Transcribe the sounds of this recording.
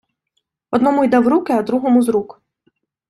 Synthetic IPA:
ɔd̪nɔmʊjd̪ɛwɾukɪɐd̪ɾuɦɔmʊzɾuk

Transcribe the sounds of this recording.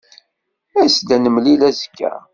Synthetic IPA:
æsd̪ænəmlilæzəkːæ̰

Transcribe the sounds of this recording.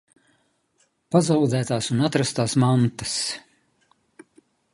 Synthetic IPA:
pazawd̪zæːt̪aːsunat̪ɾast̪aːsmant̪as

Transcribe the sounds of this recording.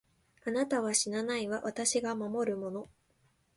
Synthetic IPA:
anat̪aβ̞aɕinanaiβaβat̪aɕiɡamamo̞ɾɯ̟mo̞no̞

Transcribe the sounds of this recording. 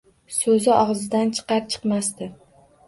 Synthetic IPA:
sɵzɪʔɒʁzɪd̪ant͡ʃʰɨ̥qɑɾt͡ʃʰɨ̥qmast̪ɪ

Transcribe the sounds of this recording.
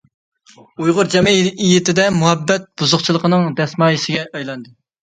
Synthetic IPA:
ujʁʊɾd͡ʒɛmijit̪ɪd̪ɛmuɦɛbːɛt̪̚b̥uzʊqt͡ʃʰilˠəqənɨŋd̪ɛsmɑːjisɪɡʲɛʔɑjlˠɑnd̪ɨ

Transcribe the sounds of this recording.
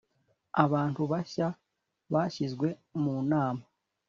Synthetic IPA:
aβaːntuβaça | βaːçizɡwe̞muːnaːma

